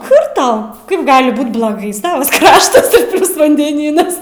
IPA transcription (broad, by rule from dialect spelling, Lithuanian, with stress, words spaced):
kʊr tɐʊ ˈkɐɪp ˈɡɑːlʲɪ ˈbuːt blˠoːˈɡɐɪ ˈsɑːʋɐs ˈkrɑːʃtɐs ɪr ˈpʲlʲʊs ʋɐnʲdʲɛˈnʲiːnɐs